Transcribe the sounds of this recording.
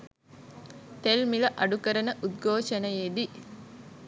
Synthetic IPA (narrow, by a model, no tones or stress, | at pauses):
t̪elmiləʔɐɖukəɾənəʔud̪̚ɡʱoːʃənəjeːd̪i